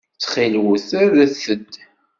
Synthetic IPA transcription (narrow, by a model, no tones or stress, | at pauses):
t͡sːχilwuθæðæθəd̪